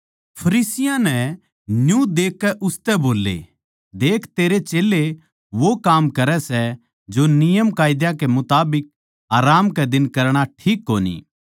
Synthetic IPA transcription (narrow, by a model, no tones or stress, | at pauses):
pʰɐɾiːsɪjãnɛ̃ | njũd̪eːkːɛʔʊst̪ɛboːlːḛː | d̪eːkʰt̪eːɾet͡ʃeːlːe | ʋokaːmkɐɾɛsɛ | d͡ʒonɪjəmkaːjɪd̪jãkemʊt̪aːbɪk̚ | aːɾaːmkɛd̪ɪnkɐɾɽ̃aʈʰiːkːoːnḭː